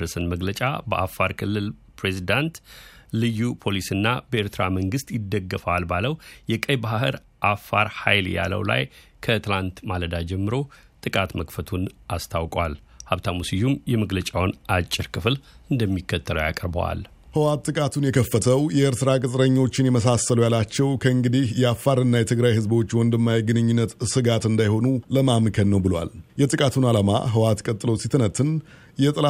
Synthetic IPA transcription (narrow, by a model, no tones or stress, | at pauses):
ɾəsɨnməɡlət͡ʃʼa̰bəʔafːaɾkʰɨlːɨlpʰɾe̞zid̪ant̪lɨjːupʰo̞lisɨnːabəeɾt̪ʰɨɾaməŋɡɨst̪jɪd̪ːəɡːəfəalbaləwjɛkʼəjbahɨɾ | ʔafːaɾhajlja̰lə̰wla̰j | kʰət̪ʰɨlant̪maləd̪ad͡ʒɛmːɨɾo̞ | t̪ʼɨkʼat̪məkfət̪ʰunʔast̪ʰawkʼwalhaβt̪ʰamusijumjɛməɡlət͡ʃʼawnat͡ʃʼːɪɾkʰɨflɨnd̪əmːikːət̪ːələ̰wja̰kʼəɾbə̰wa̰l | hɨwat̪ːɨkʼat̪ʰunjɛkʰəfːət̪ʰəwjɛɨɾt̪ʰɨɾakʼɨsʼɾəɲːo̞t͡ʃːɪnjɛməsasəlujalat͡ʃːɛwkʰəɨŋɡɨd̪ihjɛafːaɾɨnːajɛt̪ʰɨɡɾajhɨzbo̞t͡ʃːwɔnd̪ɨmːajɡɨnɨɲːunːət̪sɨɡat̪ɨnd̪ajho̞nuləmamkʰənːəwbɨlwa̰ljɛt̪ʼɨkʼat̪ʰunalama̰ɦɨwat̪kʼət̪ʼːɨlo̞sit̪ʰɨnət̪ʰːɨn | jɛt̪ʼɨla